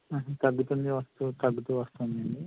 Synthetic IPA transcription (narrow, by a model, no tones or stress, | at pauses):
ɐɦt̪ɐɡːut̪und̪iʋɐst̪ut̪ɐɡːut̪uːʋɐst̪uːnd̪iɐɳɖi